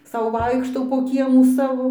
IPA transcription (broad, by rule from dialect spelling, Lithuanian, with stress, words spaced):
ˈsɐʊ ˈʋɐɪkʃtɐʊ poː ˈkʲiɛmuː ˈsɑːʋoː